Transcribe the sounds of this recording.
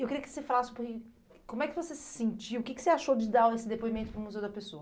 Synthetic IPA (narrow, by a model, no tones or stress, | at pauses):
ewkɪɾiɐkɪ̥sefalasɪpʊɾkɪ | kõmʊɛkɪvosesɪ̥sẽnt͡ʃiwʊkɪkɪ̥seaʃod͡ʒɪd̪awesɪd̪epoimẽnt̪ʊpɾʊ̃muzewd̪ɐpesoɐ